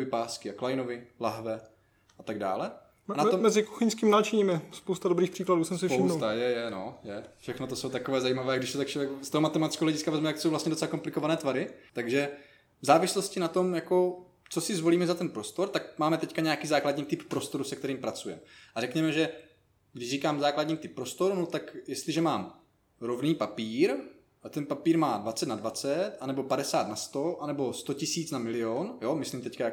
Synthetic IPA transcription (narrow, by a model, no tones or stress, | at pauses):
vɪpaːskɪaklajnovɪlaɦvɛ | ʔat̪aɡda̰ːlɛ | anat̪ommɛzɪku̥xɪɲskiːmnaːt͡ʃɪɲimɪspowst̪adobɾiːxpr̥iːkladuːsɛmsɪfpʃoɪwmnsot̪ajɛjɛnojɛfʃɛxnot̪oso̞wt̪akovɛːzajiːmavɛːaɡdɪʃt̪ot̪akt͡ʃakst̪oɦomat̪ɛmat̪ɪt͡skɛɦolɛɟɪskavɛzmɛt̪akt̪sowvlastɲɛdot͡sɛlako̞mplɪkovanɛːt̪vaɾɪt̪aɡʒɛ | vzaːvɪslo̞scɪnat̪o̞mjako̞ | t͡so̞sɪzvo̞liːmɛzat̪ɛnpɾo̞st̪o̞ɾt̪akmaːmɛt̪ɛckaɲɛjakiːzaːkladɲiːt̪ɪppːɾo̞st̪o̞ɾusɛkt̪ɛɾiːmpɾat͡sujɛ̰mʔaɾɛkɲɛmɛʒɛ | ɡdɪʒriːkaːmzaːkladɲiːmt̪ɪpːɾo̞st̪o̞ɾunot̪akjɛst̪lɪʒɛmaːm | ɾo̞vniːpapiːɾ | at̪ɛnpapiːɾmaːdvat͡sɛt̪nadvat͡sɛt̪ʔanɛbo̞padɛsaːt̪nast̪o̞ʔanɛbo̞st̪o̞cɪsiːt͡snamɪlɪonjomɪslimt̪ɛckaja